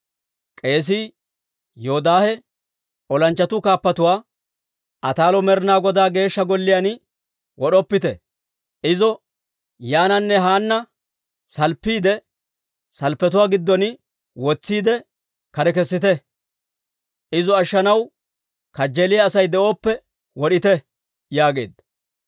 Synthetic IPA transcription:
kʼe̞ːs̬i | joːd̪aːhɛ | ʔɔlɐnt͡ʃːɐt̪ʊkaːpːɐt̪ʊwaː | ʔɐt̪aːlɔmɛɾnaːɡɔd̪aːɡe̞ːʃːɐɡɔlːɪjan | wɔɗɔpːɪt̪ɛ̰ | ʔɪzɔ | jaːnɐnːɛɦaːnːɐ | sɐlpːiːd̪ɛ | sɐlpːɛt̪̬ʊwaːɡɪd̪ːɔn | wɔt͡sːiːd̪ɛ | kɐɾɛk̬ɛsːɪt̪ɛ | ʔɪzɔɐʃːɐnɐw | kɐd͡ʒːelɪjaːsɐjd̪ɛʔo̞ːpːɛ | wɔɗɪt̪ɛ | jaːɡe̞̰ːd̪ɐ

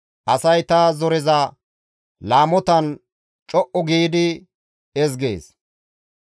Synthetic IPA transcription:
ʔɐsɐjt̪azɔɾɛzɐ | laːmɔt̪ɐn | t͡ʃʼɔʔɔɡiːd̪ɪ | ɛzɡḛːs

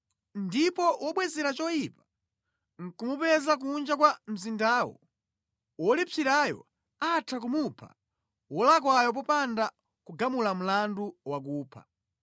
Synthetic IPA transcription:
ndipɔwʔɔɓwɛzɛɾat͡ʃɔjipa | ŋ̩kumupɛzak̬und͡ʒakwam̩zindaːwɔ̰ | wɔlit͡siɾajɔ̰ | atʰakumupʰa̰ | wɔlakwajɔp̬ɔpanda | kuɡamulam̩landuwak̬uːpʰa̰

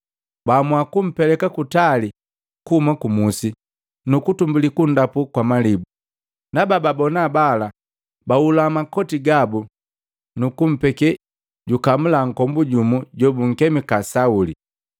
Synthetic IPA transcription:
bamwakum̩pɛlɛkakutali | kumakumusi | nukutumbulikundapukwamalibu | nabababɔnabala | baulamakɔtiɡabu | nukum̩pɛkɛ | ɟukamulaŋ̩kɔmbuɟumuɟɔbuŋ̩kɛmikasaulḭ

